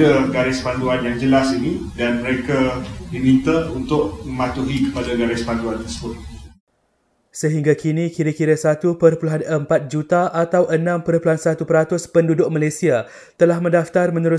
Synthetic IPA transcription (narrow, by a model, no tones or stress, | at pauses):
aɡaɾɛspanduanjaŋd͡ʒəlasinidanməɾekadimit̪aunt̪ʊʔ̚məmat̪uɦikə̥padaɡaɾɛspanduant̪ərsəbʊt̪̚ | səɦiŋɡakʰinikiɾəkiɾəsat̪upərpuluɦanəmpat̪̚d͡ʒut̪aʔat̪awʔənãmpəɾpuluɦansat̪upəɾat̪ʊspəndudʊʔ̚malasia | t̪əlahmə̃ndaft̪armə̃nuɾʊ